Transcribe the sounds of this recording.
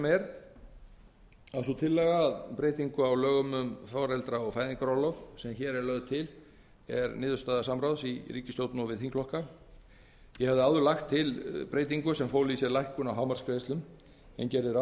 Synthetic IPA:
mɛɾ | aðsɔt̪ʰɪlːɛɣaðpɾeːjt̪iŋkʏawlœːɣʏmʏmfɔɾɛlt̪ɾaɔɣfaːjðiŋkaɾɔlɔfsɛmçɛːɾɛɾlœɣðt̪ʰɪl | ɛɾnɪːðʏst̪aðasamɾawsiɾiːcɪst̪jowt̪nʏɔvɪðθiŋkʰlɔhka | jɛhɛvðʏawðʏɾlaxt̪ʰːɪlpɾeːjt̪̬iŋkʏsɛmfowlisjɛɾlajhkʏnawɦaːwmaɾ̥skɾest̪ʏm | ɛ̰ncɛɾðɪɾa

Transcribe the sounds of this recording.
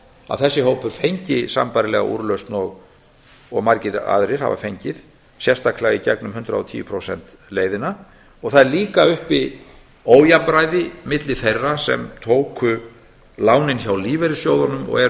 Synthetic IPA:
a̰ðθɛsːɪɦoːwpʏɾ̥fejɲcɪsa̰mpajɾɪlɛɣa̰ʔṵːɾlœɥst̪nɔɣ | ɔɣmaɾcɪɾa̰ðɾɪɾ̥ha̰va̰fejɲcɪð | sjɛrst̪aklaɣicɛ̰knʏmɦʏnt̪ɾa̰ɔt̪ʰiːʏpʰɾowsɛ̰n̥t̪ | leːjðɪna | ɔɣθaðɛɾliːkaʏhpɪ | oːwjapɾajðɪmɪt̪lɪθejrːasɛ̰mt̪ʰoːwkʏ | laːwnɪnçawliːvɛɾɪ̥sjowðanʏmɔ̰ɣɛ

